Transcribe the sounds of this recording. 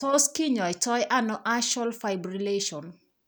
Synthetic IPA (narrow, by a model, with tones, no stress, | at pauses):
o˦ski˦ɲɔ˨jtɔ˦jʔa˦nɔʔa˦ʃa˦lfajbɾileʃɔn